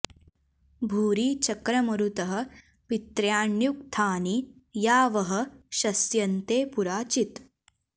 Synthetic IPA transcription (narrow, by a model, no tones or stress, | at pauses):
bʱuːɾiːt͡ɕɐkɾɐmɐɾut̪ɐɦə̆ | pit̪ɾjaːɳjuk̚t̪ʰaːnijaːʋɐɦə̆ɕɐsjɐnt̪eːpuɾaːt͡ʃit̪